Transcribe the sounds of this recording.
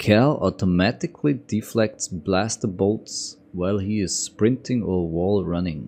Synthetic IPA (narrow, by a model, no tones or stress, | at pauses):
kʰɛlˠʔɔtʰɔmætɪkʰlidiflɛk̚tsb̥læstə˞boʊts | waɪlˠiɪz̥spɹɪ̃ntʰɪ̃ŋə˞wɔlˠɹʌnɪ̃ŋ